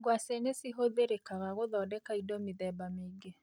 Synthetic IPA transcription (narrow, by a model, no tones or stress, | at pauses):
ɡwasenesiɦoðeɾekaɣaɣoðɔːdɛkaidomiðɛbameɡe